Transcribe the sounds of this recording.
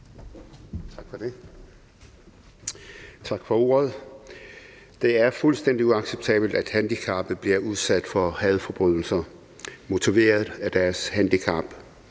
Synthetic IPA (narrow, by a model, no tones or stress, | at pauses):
t͡sʰɑ̈ɡ̥fɒd̥e̝ | t͡sʰɑ̈ɡ̥fɒ̽o̝̰ːɐð̞̩ˠ | d̥e̝æɐfulsd̥en̰d̥iuɑ̈ɡ̥seb̥̚t͡sʰɛ̰ːb̥l̩d̥æd̥hænd̥ikʰɑ̈ːb̥ð̩ˠb̥liɐʔuð̞ˠsæd̥fɒhɛð̞ˠfɒ̽b̥ʁyð̰ˠl̩sɐ | mo̝t͡sʰiʋe̝̰ːɐð̩ˠæd̥æɐshænd̥ikʰɑ̈b̥